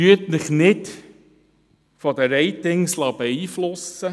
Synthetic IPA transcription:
yətnɪχnɪt | fɔdəɾɛɪtɪŋslɑbəiːflʊsə

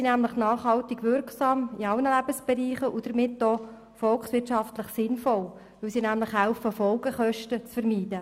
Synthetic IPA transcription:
sinæmləχnɑːχhɑltiɡ̥ʋʏɾksɑːmiɑlnəlæb̥əsb̥ɛɾiːχəʔud̥əɾmɪtdɔ | fɔlksʋɪɾtʃɑftləχsɪnfɔl | ʋɵwsinæmləχɦæʊfəfɔlɡəχœʃtət͡sfəɾmiːd̥ə

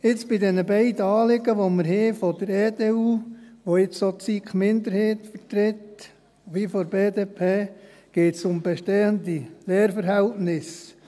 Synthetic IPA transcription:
ɪt͡sb̥ɪdɛnəbɛɪd̪əɑːlɪɡ̥əʋoməɾheːfɔd̥əɾɛːdeːuːʋoɪt͡ssot͡sikχmɪnd̪əɾheːt̪fəɾt̪ɾɪt | ʋifɔɾbeːd̪eːpʰeː | ɡ̥eːtsʊmbɛʃtɛːənd̪ileːɾfəɾɦɛltnɪs

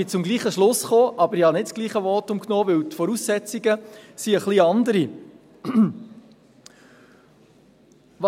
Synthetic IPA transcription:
ɪt͡sʊmɡliːχəʃlʊsχoːʔɑbəɾɪhɑnɪtt͡sɡ̥liːχəʋɔtʊmknoːʋɪwt̪fɔɾusːɛt͡siɡəsiəχliɑnd̪əɾi | ʋɑ

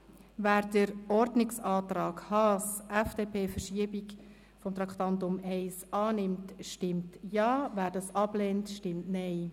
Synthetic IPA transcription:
væːɾdəɾɔɾdnɪksɑːt̪ɾɑːɡhɑːsʔɛfd̥eːpʰeːfəɾʃiəbik | fɔmt̪ɾɑktɑntʊmɛɪsɑːnɪmtʃtɪmtjɑːvæːɾdɑsɑbleːntʃtɪmtnɛɪ

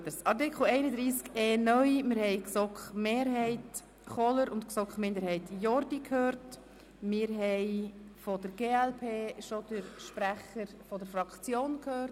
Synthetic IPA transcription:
dəsɑɾtɪkχl̩ɛɪnədɾiːskeːnœʏmɪɾhɛɪksɔkχmeːɾɦɛɪt | χɔləɾʊntksɔkχmɪndəɾhɛɪtjɔɾdikʰhøːɾt | mɪːɾɦɛɪfɔd̥əɾɡ̥eːɛlpʰeːʃod̥əɾʃpɾæχəɾfɔdəɾfɾɑkt͡sjoːnkʰhøːɾt

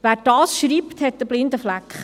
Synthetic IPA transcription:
ʋæːɾd̥ɑːsʃɾiːpt̪hɛt̪ːəb̥lɪnd̪əflækχ

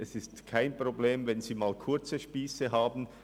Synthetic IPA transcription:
ʔɛsɪstkʰaɪnpʁ̥obleːmvɛnziːmaːlkʰʊɐt͡səʃpiːsəɦaːbn̩

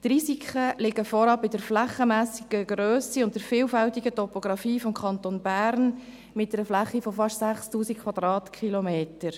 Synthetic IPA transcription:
trisikʰχəlɪɡəfɔɾɑpɪd̥əɾflæχəmæːsiɡ̥əɡɾøːsiʊntdəɾfɪːlfæltiɡətɔpoɡ̥ɾɑfiːfɔmkʰɑntonbæːɾn | mɪt̚ɛɾəflæχifɔfɑʃtsæχstuːsik̚kʰːwɑd̥̪ɾɑːtkχilomeːtəɾ

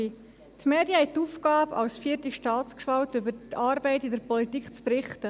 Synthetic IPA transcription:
tmeːdjəhɛttːuːfɡ̥ɑːbɑ̰wsfiːtiʃtɑːt͡skʃvɑltybətɑːɾbɛɪtidɛɾpɔlitikχt͡spɾɪχtə

